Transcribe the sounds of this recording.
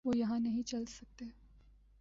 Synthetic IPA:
ʋoːjɐɦãnɐɦĩt͡ʃɐlsɐk̚t̪eː

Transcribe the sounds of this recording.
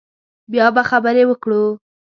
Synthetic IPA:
bjɑbaxabəɾewəkɽu

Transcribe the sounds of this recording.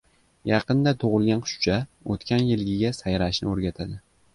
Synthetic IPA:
jɑqɨnd̪at̪ʰoʁɨlˠɡʲanqʰʊ̥ʃt͡ʃʰaot̪kʲʰanjɪlɡʲɪɡʲasajɾaʃnɪoɾɡʲat̪ʰad̪ɪ

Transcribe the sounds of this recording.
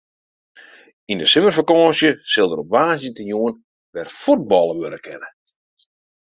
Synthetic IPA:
indəsɪmərfakɔːsjəsɪlˠdəɾopʋaːzjətəjuən | ʋɛrfud̚bɔlˠəʋønəkʰɛnə

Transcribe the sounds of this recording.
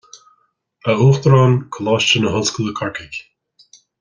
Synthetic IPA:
əuːxt̪əɾɑːnkʰəlɔːʃt͡ʃənəɦʊlskələkʰaɹkɪkʲ

